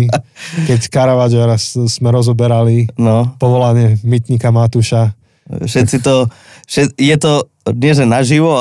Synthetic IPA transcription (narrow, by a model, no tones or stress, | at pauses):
kɛckaɾaʋad͡ʒɛɾasz̥mɛɾɔzɔbɛɾalinɔpɔʋɔlaɲɪɛmit̪ɲikamat̪uʃa | ʃɛt̪t͡sit̪ɔ | ʃɛjɛt̪ɔ | ɲɪɛʒɛnaʒiʋɔ